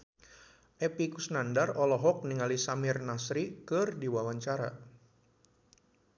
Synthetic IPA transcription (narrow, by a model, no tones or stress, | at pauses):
ʔɛpikusnandarɔlɔɦɔk̚niŋalisamɪrnasɾikɨrdiwawaɲt͡ʃaɾa̰